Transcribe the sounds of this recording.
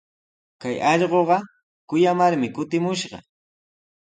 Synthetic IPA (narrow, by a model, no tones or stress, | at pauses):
kajɑʎɢoɢɑ | kʊjamaɾmɪkʊt̪ɪmʊʃɢɑ̰